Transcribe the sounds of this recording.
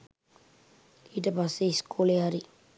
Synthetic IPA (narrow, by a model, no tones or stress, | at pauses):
iʈəpasːeiskuleɦaɾi